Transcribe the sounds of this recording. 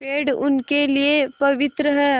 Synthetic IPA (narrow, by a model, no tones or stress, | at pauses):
peːɖʊ̰nkeliepɐʋɪt̪ɾəɦɛː